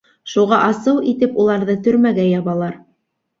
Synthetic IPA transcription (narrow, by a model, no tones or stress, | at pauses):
ʃuʁɑʔɑsɤwit̪ɘpulˠɑɾðɤt̪ɵ̆ɾmæɡæjɑβɑlˠɑɾ